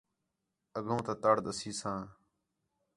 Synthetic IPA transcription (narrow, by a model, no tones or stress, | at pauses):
əɡũːt̪ãːt̪aːɽd̪əsiːsãː